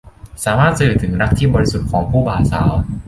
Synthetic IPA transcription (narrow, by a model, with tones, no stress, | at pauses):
saː˩˦maː˥˩t̪̚t͡ɕa˧ju˨˩t̪ʰɯ˩˦ŋɾa˦˥k̚t̪ʰiː˥˩bɔː˧ɾi˦˥su˨˩t̪̚kʰɔː˩˦ŋpʰuː˥˩baː˨˩sa̰ː˩˦w